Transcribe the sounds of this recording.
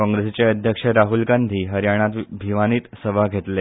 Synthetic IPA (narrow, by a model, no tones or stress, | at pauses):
kɔ̃ŋɡɾest͡ɕeəd̪ʱjəkʂəɾaɦulɡand̪ʱiːɦəɾjaɽ̃at̪bʱiʋaniːt̪səbʱaɡʱet̪le